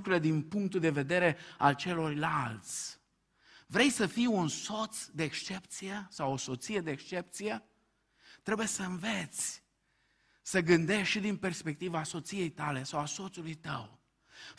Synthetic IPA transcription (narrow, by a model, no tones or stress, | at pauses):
kɾuile̞d̪inpuŋk̚t̪uld̪e̞ve̞d̪e̞ɾe̞alt͡ʃe̞lo̞rlalt̪sʲ | vɾe̞jsəfijunso̞t̪sd̪eːkst͡ʃe̞pt̪sijesawo̞so̞t̪sije̞d̪eekʃt͡ʃe̞pt̪sije̞ | t̪ɾe̞bujesəɨnve̞t̪sʲ | səɡɨnd̪e̞ʃʃid̪inpe̞rspe̞k̚t̪ivaso̞t̪sije̞jt̪ale̞sawaso̞t̪sulujt̪əw